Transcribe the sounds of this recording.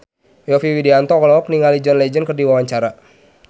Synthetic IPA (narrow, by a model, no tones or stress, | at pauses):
jɔfiwidiant̪ɔklɔɔk̚niŋalid͡ʒɔnlɛd͡ʒənkərdiwawaɲt͡ʃaɾa